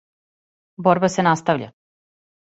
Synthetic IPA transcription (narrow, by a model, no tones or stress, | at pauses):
boɾbasenast̪aʋʎa̰